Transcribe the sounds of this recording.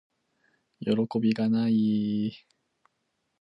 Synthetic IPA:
joɾo̞ko̞bʲiɡanai

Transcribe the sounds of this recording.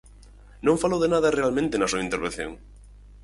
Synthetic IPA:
nõŋfalowðenaðɐrealmẽnt̪ɪnɐsuɐint̪eɾβen̟θjo̰ŋ

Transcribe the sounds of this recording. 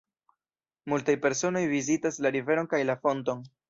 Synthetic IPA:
multajpe̞ɾso̞no̞jvizitaslaɾive̞ɾo̞nkajlafo̞nto̞n

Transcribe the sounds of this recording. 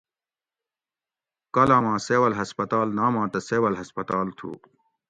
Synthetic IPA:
kɐlaːmãːseːwɐlɦɐspɐt̪aːlnaːmãːt̪ɐseːwɐlɦɐspɐt̪aːlt̪ʰṵː

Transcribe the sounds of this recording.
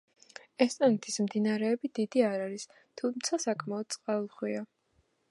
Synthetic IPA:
ɛst̪ʼant̪ʰismd̪inaɾɛːbid̪id̪iaɾaɾis | t̪ʰumt̪sʰasakʰʼmaɔd̪̥̚t̪sʼqʼaulˠχwia

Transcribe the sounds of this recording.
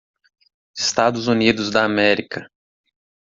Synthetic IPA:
ɪ̥st̪ad̪ʊzunid̪ʊzd̪ɐamɛɾikʰɐ

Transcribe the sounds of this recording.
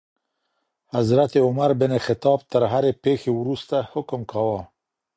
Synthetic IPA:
hazɾat̪eʊmaɾbɪnexɪt̪ɑːb̚t̪əɾɦaɾepeːxewɾust̪ahʊkʊmkʰawɑ

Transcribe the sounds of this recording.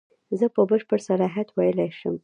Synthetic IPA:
zəpəbəʃpəɽsalɑɦat̪wajəlajʃə̰m

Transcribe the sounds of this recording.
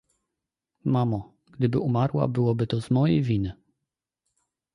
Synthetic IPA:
mamɔ | ɡ̥d̪ɘbɘʔumaɾwa̰bɘwɔbɘt̪ɔzmɔjɛjvʲinɘ

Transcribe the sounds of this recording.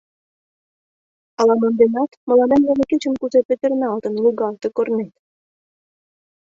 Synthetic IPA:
ɑlɑmond̪enɑt̪mə̆lɑnemleneket͡ɕə̆mkuzepet̪ə̆rnɑlt̪ə̆nluɣɑlt̪ĕkornet̪

